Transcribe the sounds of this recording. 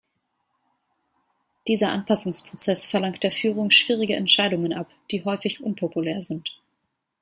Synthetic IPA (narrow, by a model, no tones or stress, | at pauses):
d̥iːzɐʔanpasʊŋspʁ̥ot͡sɛsfɛɐlaŋkt̚d̥eːɐfyːʁ̞ʊŋʃv̥iːʁ̞ɪɡəʔɛ̰ntʃaɪdʊŋənʔapd̥iːɦɔʏfɪçʔʊnpʰopuleːɐzɪnt